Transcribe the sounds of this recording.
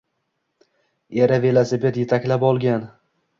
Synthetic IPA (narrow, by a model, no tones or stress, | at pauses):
e̞ɾave̞lasebe̞t̪jet̪ʰakʲlapɒlˠɡʲan